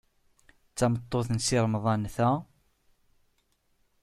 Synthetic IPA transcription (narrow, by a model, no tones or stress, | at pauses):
t͡sːæmət̪ˤːoθənsiɾˤəmðˤɑnθæ